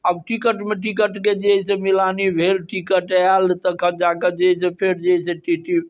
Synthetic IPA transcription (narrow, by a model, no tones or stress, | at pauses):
əbʈikəʈmeʈ̬ikəʈked͡ʒeɦisẽmilanibʱelʈikəʈalt̪əkʰəd͡ʒaked͡ʒeɦis̬epʰeɾd͡ʒeɦisẽʈiʈi